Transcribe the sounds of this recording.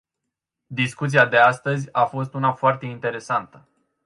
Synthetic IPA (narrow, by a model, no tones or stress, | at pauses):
d̪iskut̪siad̪e̞ast̪əzʲafo̞st̪unafoart̪e̞int̪e̞ɾe̞sant̪ə